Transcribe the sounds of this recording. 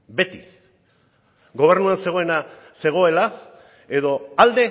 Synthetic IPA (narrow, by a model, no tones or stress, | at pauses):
be̞t̪i | ɡo̞β̞e̞ɾnuanse̞ɣ̞o̞e̞na | se̞ɣ̞o̞e̞la | e̞ðo̞ald̪e̞